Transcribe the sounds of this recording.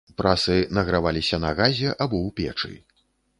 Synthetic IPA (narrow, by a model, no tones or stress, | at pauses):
pɾʔasɨnɐɣɾavalʲisʲɐnɐɣazʲɛʔabɔwpʲɛ̰t͡ʂɨ̰